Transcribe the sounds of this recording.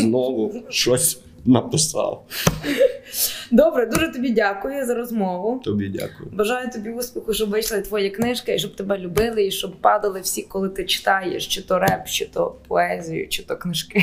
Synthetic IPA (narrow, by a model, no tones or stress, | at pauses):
znɔʋʊʃt͡ʃɔsʲ | nɐpɪsɑ̰lˠ | d̪ɔbɾɛd̪uʒɛt̪ɔbʲidʲakʊjʊzɐɾɔzmɔʋʊt̪ɔbʲidʲa̰kʊjʊbɐʒɑjʊt̪ɔbʲiuspʲixʊʃt͡ʃɔbʋɪjʃlˠɪt̪ʋɔjɛknɪʃkɪiʃt͡ʃɔb̚t̪ɛbɛlʲʊbɪlˠɪiʃt͡ʃɔbpɑd̪ɐlˠɪwsʲikɔlˠɪt̪ɪt͡ʃɪ̥t̪ɑjḛʃt͡ʃɪt̪ɔɾɛpt͡ʃɪt̪ɔpʰɔɛzʲijʊ̰t͡ʃɪt̪ɔknɪʃkɪ